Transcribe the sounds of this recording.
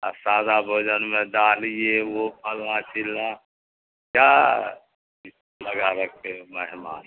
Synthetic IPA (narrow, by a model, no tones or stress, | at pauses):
əsaːd̪abʱoːd͡ʒənmẽd̪aːliewopəlːãt͡ʃʰɪlːã | kja | ləɡaɾək̚eməɦmaːn